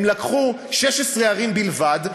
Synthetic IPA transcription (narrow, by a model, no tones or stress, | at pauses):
mlakχu | ʃeʃesʁeaʁimbilvad